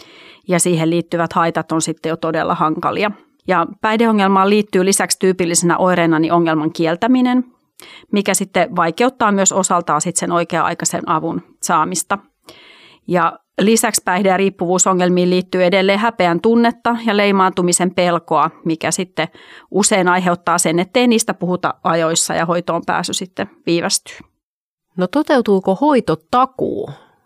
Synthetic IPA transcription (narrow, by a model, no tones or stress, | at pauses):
jɑsiːɦelliːt̪ːyʋæt̪hɑit̪ɑt̪onsit̪ːejot̪odḛlːʔɑ̰hɑŋkɑ̰liɑ | jɑpæihdeoŋːelmɑːlliːt̪ːyːlisækst̪yːpilːisenæ̰ʔoiɾeːnɑniʔoŋːelmɑŋkielt̪æminen | mikæsit̪ːeʋɑikeut̪ːɑːmyøsosɑlt̪ɑːsit̪senoikeɑɑ̰ikɑsḛnʔɑʋun | sɑːmist̪ɑ | jɑ | lisækspæihdejɑriːpːuʋuːsoŋːelmiːlliːt̪ːyːedelːeːhæpeænt̪unːet̪ːɑjɑleimɑːnt̪umisempelkoɑmikæsit̪ːeʔuseinɑiɦeut̪ːɑːsenet̪ːeiniːst̪æpuhut̪ɑ̰ɑjoisːɑ̰jɑ̰hoit̪oːmpæ̰ːsːysit̪ːeʋiːʋæst̪y̥ː | not̪ot̪eut̪uːkohoit̪ot̪ɑkṵː